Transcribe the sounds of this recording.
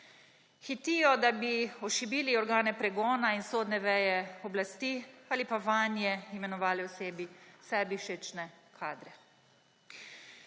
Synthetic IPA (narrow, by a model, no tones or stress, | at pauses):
xit̪iːjɔd̪abiɔʃibiːliɔɾɡaːnɛpɾɛɡɔːnainsoːd̪nɛʋɛːjɛɔblast̪iːalipaʋanjɛimɛnɔʋaːlɛwseːbisɛːbiʃet͡ʃnɛkʰaːd̪ɾɛ